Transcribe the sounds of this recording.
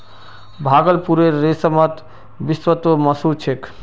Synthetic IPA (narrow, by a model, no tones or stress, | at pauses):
bʱaɡəlpuɾeɾːesəmət̪ | bisʋət̪oməsut͡ʃʰek